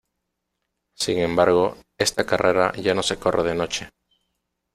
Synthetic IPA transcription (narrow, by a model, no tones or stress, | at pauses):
siŋẽmbaɾɣ̞oest̪akarʔeɾa̰ʝanose̞ko̞rʔeð̞eno̞t͡ʃe